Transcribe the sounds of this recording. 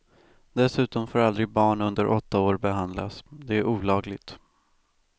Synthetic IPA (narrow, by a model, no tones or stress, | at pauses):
d̪ɛsʉ̟ːt̪ɔmfoːɾald̪ɾɪɡbɑːɳɵnd̪əɾʔɔt̪ːaoːɾbɛɦand̪la̰sd̪ɛæɾuːlɑːɡlɪɡt̪